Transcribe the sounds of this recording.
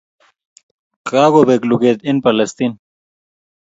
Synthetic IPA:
kaːɡobeːkluɡeːt̪inpɐlɐst̪iːn

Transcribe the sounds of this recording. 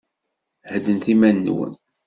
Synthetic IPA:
həd̪ənθimænːwə̰n

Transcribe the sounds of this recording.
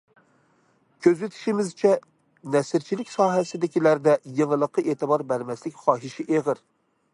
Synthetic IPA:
kʲʰøzyt̪ʰɪ̥ʃimɪzt͡ʃʰɛ | nɛsɪɾt͡ʃʰilɪkʲsɑːɦɛsɪd̪ɪkʲilæɾd̪ɛjeŋəlˠəqʰːəʔeːt̪ʰɨbɑɾbæɾmɛslɪkʲχɑːɦiʃiʔeʁɨɾ

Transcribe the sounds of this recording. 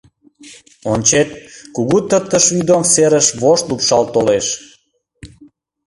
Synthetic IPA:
onʲt͡ɕet̪̚kuɣut̪ət̪ːəʃvyd̪omseɾəʃβoʃt̪lupʃɑlt̪oleʃ

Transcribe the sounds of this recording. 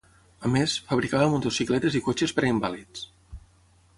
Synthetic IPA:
əmesfəβɾikaβəmot̪osiklɛt̪ezikot͡ʃespɾeimbalit͡s

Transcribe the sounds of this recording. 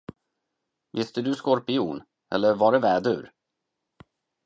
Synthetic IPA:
vɪst̪əd̪ɵskɔɾpɪṵːn | ɛ̰lːəɾvaɖɛvɛːd̪ʉ̟ɾ

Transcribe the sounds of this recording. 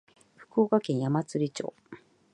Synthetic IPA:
ɸɯ̟̥koːkakẽ̞ɰ̃jamat͡sɨɾʲit͡ɕo̞̰ː

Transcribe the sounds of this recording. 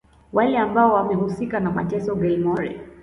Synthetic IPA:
walɛambaɔwamɛhusikanama̰tɛsɔɡɛlmɔɾɛ̰

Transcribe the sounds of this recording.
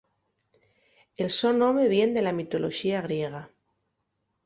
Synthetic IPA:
e̞lso̞nomeβje̞nd̪e̞lamit̪o̞lo̞ʃiaɣ̞ɾje̞ɣ̞a

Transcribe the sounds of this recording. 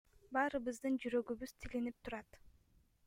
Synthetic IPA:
bɑːɾɯβɯzd̪ɯnd͡ʒyɾø̞ɡyβyz̥t̪ʰilinip̚t̪ʰuɾɑt̪

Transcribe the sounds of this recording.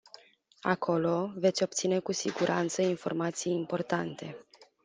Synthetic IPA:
a̰kʰo̞lo̞ve̞t̪sʲo̞p̚t̪sine̞kusiɡuɾʔant̪səinfo̞̰rmat̪sijimport̪ant̪e̞

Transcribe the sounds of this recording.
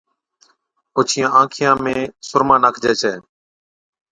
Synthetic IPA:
ʊt͡ʃʰɪjãːãːkʰɪjãːmẽːsʊɾmãːnaːkʰd͡ʒɛːt͡ʃʰɛː

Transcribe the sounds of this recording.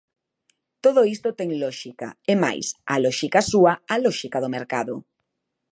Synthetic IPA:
t̪oðoist̪ot̪eŋlɔʃika̰ema̰jsa̰lɔʃikasuaalɔʃikaðomeɾkaðo

